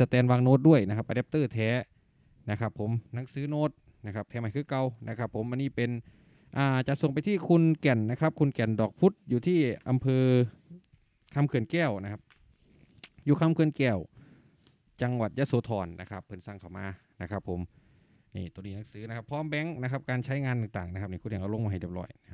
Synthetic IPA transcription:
sa˧t̪ɛː˧nwaː˧ŋnoː˧˥t̪̚du˥˩əjna˧kʰa˧˥pʔa˧dɛ˦˧˥p̚t̪ɤː˧˩t̪ʰɛː˨˦˥ | na˦˧˩kʰa˦˧pʰːo˨˦mna˨˦ŋsɯː˨˦noː˧˥t̪̚ | na˧kʰa˦˧p̚t̪ʰɛː˨˦ma˧˩jkʰɯː˧˥˩ka˧wnʔa˧˥kʰa˦˧pʰːo˧˦mʔa˧nːiː˧˥˩pe˧n | ʔaː˧˩t͡ɕa˨˧˩so˨˩ŋpa˧jt̪ʰiː˧˥˩kʰu˧nkɛ˨˩nːa˦˧˥kʰa˦˥p̚kʰu˧nkɛ˨˩ndɔː˨˩k̚pʰu˦˥t̪̚juː˨˩t̪ʰiː˥˩ʔa˧mpʰɤː˧ | kʰa˧mkʰɯ˨˩ənkɛː˧˩wna˦˥kʰa˦˥p̚ | juː˨˩kʰa˧˥mkʰɯ˧ənkɛː˧˩w | t͡ɕa˧ŋwa˨˩t̪̚ja˧˥soː˨˦t̪ʰɔː˨˩nːʔa̰˦˧˥kʰa˦˥pʰːɤ˧nsa˧˩ŋkʰa˧˩wmaː˧ | na˦˥kʰa˦˥pʰːo˨˩˦m | nḭː˧˩t̪u˧niː˧na˨˧˦ŋsɯː˨˦na˧˥kʰa˧˥pʰːɔː˧˥˨mbɛ˧˥ŋna˦˥kʰa˦˥p̚kaː˧nt͡ɕʰa˦˥jŋaː˧nt̪aː˨˩ŋt̪aː˨˩ŋna˦kʰa˦˥p̚niː˧˩kːnʰhɛ˨˩ʔa˧˩lo˧mɔː˧ɦjdi˧˩p̚lɔ̰ː˧˩jna˦˧kʰa˦˥

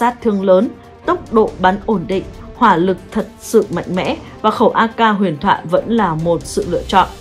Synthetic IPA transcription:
aː˦˥t̚t̪ʰɨ˧əŋləː˨˦n | t̪ə˦˥wk͡p̚ɗo̰˧˨ɓa˨˦nʔo˧˩nɗḭ̈˧˨ŋ̟hwaː˧˩lɨ˨˩k̚t̪ʰə˨˩t̚sɨ̰˧˨ma̰˧˨jŋ̟mɛ̰˧˥ | vaː˨˩xə˧˩wʔaː˧kaː˧ɦwi˨˩ənt̪ʰwa̰ː˧˨jvə̰˧˥nlaː˨˩mo˨˩t̚sɨ̰˧˨lɨ̰˧˨ət͡ɕɔ̰˧˨nʔ

